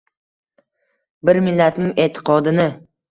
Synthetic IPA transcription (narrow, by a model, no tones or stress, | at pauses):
bɪɾmɪlːat̪nɪŋe̞ːt̪ʰːɪ̥qʰɒd̪ɪnɪ